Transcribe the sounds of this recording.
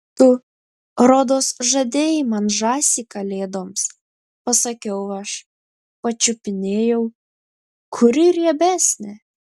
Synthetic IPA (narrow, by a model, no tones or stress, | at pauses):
t̪ʊ | ɾɔd̪oːsʒɐd̪ʲeːjɪmɐnʒɑːsʲiːkɐlʲeːd̪oːms | pɐsɐkʲɛʊɐʃ | pɐt͡ʃʲʊpʲɪnʲeːjɛʊ | kʰʊɾʲɪɾɛbʲæːsʲnʲɛ